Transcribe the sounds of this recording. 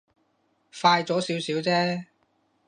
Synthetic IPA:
faː˧jt͡sɔː˨˥siː˨˥wsiː˨˥wt͡sɛː˥

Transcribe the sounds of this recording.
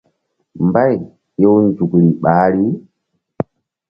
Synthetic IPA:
mba˦j | jɔ˦wnd͡ʒu˨kɾi˨ɓaː˨˦ɾi˦

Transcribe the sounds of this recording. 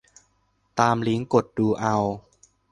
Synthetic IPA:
t̪aː˧mli˦˥ŋko˨˩t̪̚duː˧ʔa˧w

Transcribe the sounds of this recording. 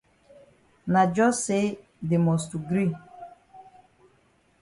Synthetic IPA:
na˨d͡ʒɔ˦se˦ | dɪ˨mɔ˨stu˨ɡɾi˦

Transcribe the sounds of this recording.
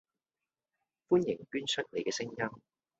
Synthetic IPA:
fuː˥njɪ˨˩ŋkyː˥nsɵ˥t̚ne˨˧jkɛː˧sɪ˥ŋjɐ˥m

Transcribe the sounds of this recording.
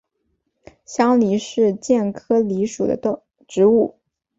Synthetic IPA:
ɕjɑ˥ŋli˧˥ʂɻ̩˥˧t͡ɕjɛ˥˩nkʰɤ˥li˧˥ʂu˨˩d̪ə̰˦ | ʈ͡ʂɻ̩˧˥u˥˩

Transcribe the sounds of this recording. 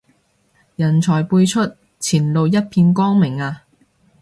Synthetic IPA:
jɐ˨˩nt͡ʃʰɔː˨˩jpuː˧jt͡ʃʰɵ˥t̚ | t͡sʰiː˨˩nlo˨˧wjɐ˥t̚pʰiː˧nkɔː˥ŋmɪ˨˩ŋaː˧

